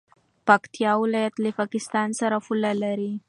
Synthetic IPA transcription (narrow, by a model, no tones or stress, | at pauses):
pakt̪ijɑwɪlɑjat̪ləpakɪst̪ɑnsaɾafʊlalaɾi